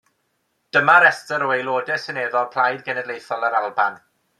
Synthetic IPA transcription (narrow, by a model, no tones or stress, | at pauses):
d̥əmaɾɛstəɾɔejloːdɛsɛneːðɔlˠpʰl̥ajdɡɛnɛdlejθɔlˠəɾalˠba̰n